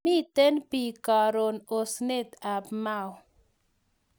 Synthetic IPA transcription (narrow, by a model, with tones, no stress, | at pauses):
i˦t̪e˦npi˨ka˨ɾo˨no˨sne˦t̪a˨pma˨w